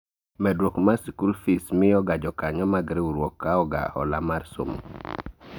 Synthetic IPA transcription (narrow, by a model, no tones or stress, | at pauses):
mɛdɾokmasikulfismɪɔɡad͡ʒɔkaɲɔmaɡɾiuɾwɔkːaɔɡa̰ɔ̰lamaɾso̰m̰